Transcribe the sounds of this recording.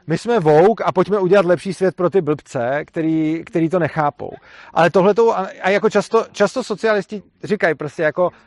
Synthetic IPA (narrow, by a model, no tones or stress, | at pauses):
mɪsmɛvowkapocmɛuɟɛlat̪lɛpʃiːsvjɛt̪̚pɾo̞t̪̬ɪbl̩pt͡sɛkt̪ɛɾiːkt̪ɛɾiːt̪o̞nɛxaːpo̰w | ʔa̰lɛt̪oɦlɛt̪̬owʔaajakot͡ʃast̪ot͡ʃast̪osot͡sɪalɪscɪ | rɪkajpɾo̞scɛjako̞